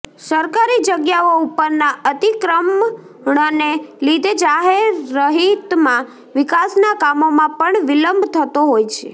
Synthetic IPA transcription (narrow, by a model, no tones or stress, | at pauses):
səɾkaɾid͡ʒəɡjaoupːəɾnaət̪ikɾəm | ɳənelid̪ʱed͡ʒaɦeɾːəɦit̪mã | ʋɪkasnakamomãpəɳʋɪləmbʱt̪ʰət̪oɦojt͡ʃʰḛ